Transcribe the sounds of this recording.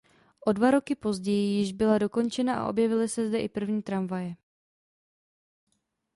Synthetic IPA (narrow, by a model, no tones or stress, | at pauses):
ʔo̞dvaɾo̞kɪpo̞zɟɛjɪjɪʒbɪlado̞ko̞nt͡ʃɛnaʔa̰ʔo̞̰bjɛvɪlɪsɛzdɛʔɪpr̩vɲiːt̪ɾaɱvajɛ